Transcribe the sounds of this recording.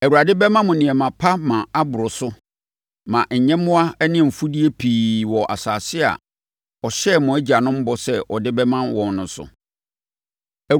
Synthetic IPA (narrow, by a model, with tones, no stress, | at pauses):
æ˨wu˨ɾa˨dɪ˦bɛ˦mã˦mʊ̃˨nɪ̃˨ɛ˨mã˨pʰa˦mã˨a˦bʊ˨ɾʊ˨sʊ˦ | mã˨ɲ̩˨ɲɛ̃˦mʊ̃˦a˦ɛ˦nɪ̃˦˨m̩˨fu˦di˦e˦pʰiː˨wɔ˨ʔa̰˨saː˨sɪ˦a̰˨ | ɔ˨ɕɛ˦˨mʊ̃˨˦æ˦d͡ʑi˨a˨nʊ̃˦m̩˦bɔ˦sɛ˦ʔɔ˨dɪ˦bɛ˦mã˦nwɔ̃˨n˦nʊ̃˨˦sʊ̰˨ | æ˨